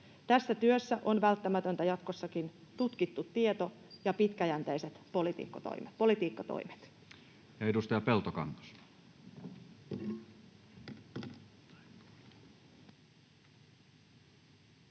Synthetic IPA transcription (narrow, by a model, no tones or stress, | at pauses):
t̪æsːæt̪yøsːæʔo̞nʋælt̪ːæmæt̪ø̞nt̪æjɑt̪ko̞sːɑkint̪ut̪kit̪ːut̪ːiet̪o̞ | jɑpit̪kæjænt̪ejset̪polit̪ḭːkːɑt̪o̰jmepo̞lit̪iːkːɑt̪o̰jme̥t̪ | jɑedust̪ɑjɑpelt̪okɑ̰ŋkɑ̥s